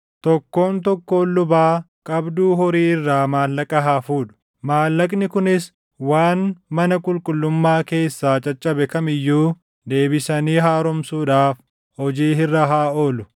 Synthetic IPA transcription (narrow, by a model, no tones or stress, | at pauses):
t̪ɔkːo̞ːnt̪ɔkːo̞ːlːʊbaː | kʼɐbd̪uːɦɔɾiːɪrːaːmaːlːɐkʼɐɦaːfuːᶑʊ̥ | maːlːɐkʼnɪkʊnɪs | waːnmɐnɐkʼʊlkʼʊlːʊmːaːke̞ːsːaːt͡ʃʼɐt͡ʃʼːɐbɛkɐmɪjːuː | d̪e̞ːbɪsɐniːɦaːɾɔmsuːᶑaːf | hɔd͡ʒiːhɪrːɐɦaːoːlʊ